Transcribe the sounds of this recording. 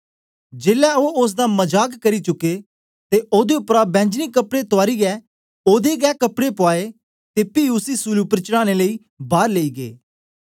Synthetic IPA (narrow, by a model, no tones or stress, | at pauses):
d͡ʒeːlɛoːʊs̬d̪aːməd͡ʒaːkkəɾit͡ʃʊkːeː | t̪eʔoːd̪eʊpɾabɛ̃ːɲd͡ʒniːkəpɽet̪ʊaːɾiːɛː | oːd̪eːɡɛːkəpɽepʊaːeː | t̪eːpiʊsiːsuluʊpəɾt͡ʃəɽaːneləiː | baːɾleiːɡḛː